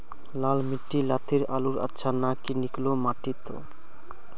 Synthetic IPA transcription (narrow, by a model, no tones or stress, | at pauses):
lalmiʈːilat̪ʰiɾa̰luɾa̰tːʃʰanakiniklomaʈit̪o̰